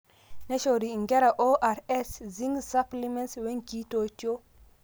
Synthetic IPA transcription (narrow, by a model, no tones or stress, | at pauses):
neʃoɾiŋɡɛɾaʔoʔaɾɛsziŋsaplimɛnswɛŋkitojto